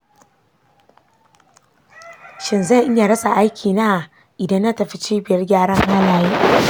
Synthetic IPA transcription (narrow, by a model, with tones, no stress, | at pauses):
ʃɪ˨nza˦˨ʔɪ˦ɲːa˨ɽɐ˦sa˨ʔa˦jkʲʰiː˨na˦˨ | ʔɪ˨dɐ˦nːa˦tɐ˨ɸi˦t͡ʃiː˦bɪ˨jɐ˦rɡʲaː˦ɽɐ˦ŋha˦laː˨jiː˦